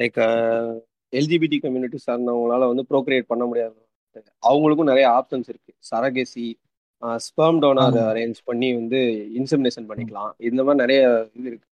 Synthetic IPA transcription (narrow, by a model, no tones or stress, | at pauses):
lɐɪkɐ | ɛld͡ʒiːbiːʈ̬ːikɐmjuːnɪʈːisaːɾnd̪ãʊŋɡɐnaːlɐʋɐnd̪ɯpɪɾoːk̬ɾijeːʈ̚pɐɳːɐmʊɽɪjaːðɯnː | lɐkɐʔɐʋɐŋɡɐɭɯkːɯ̃ʊ̃nɪɾɐjɐaːpsɐnsɪɾɯkːɯ̥sɐɾɐɡesi | spɐɾmɖɐːnaːɾɐɾeːɲd͡ʒpɐɳːiʋɐnd̪ɯɪnsɛmɪneːʂɐnpɐɳːɪkːɐɭãːɪnd̪ɐmaːd̪ɾiɪnɪɾɐjɐɪðɯɪɾɯkːɯ̥